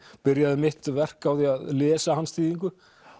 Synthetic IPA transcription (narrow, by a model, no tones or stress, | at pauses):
pɪɾjaðɪmɪht̪vɛr̥kawθiaðlɛːsahanst̪iːðiŋk̬ʏ